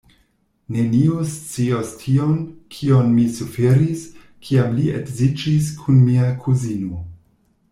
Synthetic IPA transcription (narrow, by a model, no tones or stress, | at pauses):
ne̞niost͡siostʰionkʰionmisufeɾis | kʰiamliekzid͡ʒis̬kʰunmiakʰuzino